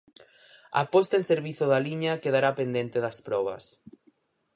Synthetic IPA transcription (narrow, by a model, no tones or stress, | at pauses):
a̰pɔst̪aẽnseɾβiθoðaliɲɐkeðaɾapend̪ent̪eðɐspɾɔβ̞ɐ̰s